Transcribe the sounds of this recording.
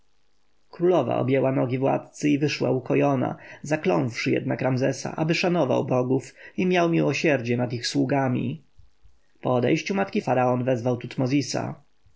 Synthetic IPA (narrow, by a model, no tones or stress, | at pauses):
kɾulɔva̰ɔ̰bʲjɛwanɔɡʲivwa̰t̪̚t̪sɘivɘʂwa̰ukɔjɔna̰zaklɔ̰̃nfʂɘjɛ̰d̪̚nakɾamzɛsa̰ʔabɘʂanɔva̰wbɔɡufimʲjawmʲiwɔɕɛɾd͡ʑɛnad̪ixswuɡamʲḭ | pɔɔd̪ɛjɕt͡ɕumat̪kʲifaɾaɔnvɛzvawt̪ut̪mɔzʲisa̰